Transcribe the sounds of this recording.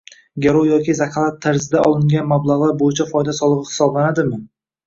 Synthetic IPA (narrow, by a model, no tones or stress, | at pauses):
ɡʲeɾojɒkʲɪzakʰalˠat̪ʰːaɾzɪd̪aʔɒlˠɪŋɡʲanmablˠaʁlˠaɾbojɪt͡ʃʰafɒjd̪asɒlˠɨʁɨhɪ̥sɒblanad̪ɪmɪ